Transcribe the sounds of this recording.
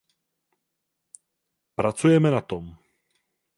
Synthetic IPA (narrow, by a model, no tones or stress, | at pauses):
pɾat͡sujɛmɛnat̪om